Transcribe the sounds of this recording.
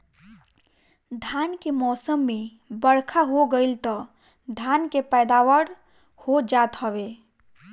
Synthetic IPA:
d̪ʱankemɔsəmːe | bəɽkʰaɦoɡəɪlt̪ɔ | d̪ʱankepɛjd̪awəɽ | hod͡ʒat̪həβe

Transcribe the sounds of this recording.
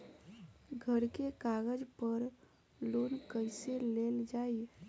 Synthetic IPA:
ɡʱəɾkekaɡəd͡ʒpəɾ | lonkəɪseleld͡ʒaːi

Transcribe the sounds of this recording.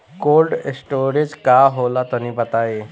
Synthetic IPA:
kolɖsʈoɾid͡ʑkaɦolat̪əniːbət̪ae

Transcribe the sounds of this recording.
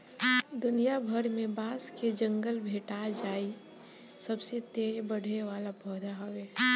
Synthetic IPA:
d̪ʊnijabʱəɾmẽbaːsked͡ʒə̃ŋɡəlbʱeːʈad͡ʒaːi | sɐbset̪eːɾbəɽ̤ʱeʋaːlapɔːd̪ʱaɦoweː

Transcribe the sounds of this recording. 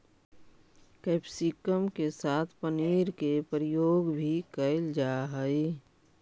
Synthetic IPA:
kɛːpsikəmkesaːt̪ʰpəniːɾkepɾjoːɡbʱikəɪld͡ʒaːɦəi

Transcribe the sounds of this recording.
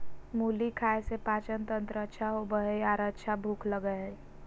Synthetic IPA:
muːlikʰaːesepaːt͡ʃənt̪ə̃nt̪ɾəətːʃʰaɦobəɦəaːɾətːt͡ʃʰabʱuːkʰləɡə

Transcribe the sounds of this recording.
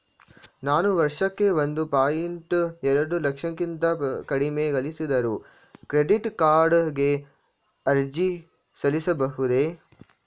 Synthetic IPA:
naːnuʋɐɾʂɐkːe̞ʋond̪upaːjiɳʈɛɾɐɽulɐkʂɐŋkint̪ɐkɐɽimeɡɐlisid̪ɐɾu | kɾeɖiʈkaːɾɖɡe̞ | ɐɾd͡ʒi | sɐlisɐbɐɦud̪e̞

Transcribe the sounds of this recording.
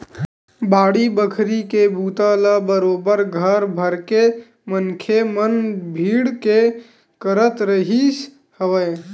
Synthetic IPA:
baːɽibəkʰɾikebʱuːt̪alabəɾoːbəɾɡʱəɾbʱəɾke | mənkʰemənbʱiːɽke | kəɾət̪ɾəɦis | həʋəj

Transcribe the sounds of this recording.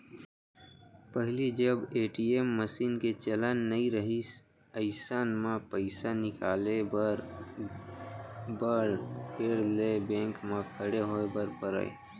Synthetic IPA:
pəɦɪlid͡ʒəbeːʈiemːəsiːnket͡ʃələnːəĩɾəɦis | əɪsaːnmãpəɪsanɪkaːlebɾ | bəɾpʰeɾlebɛ̃ːŋkmãkʰəɽeɦoebəɾpəɾə̰ḛ

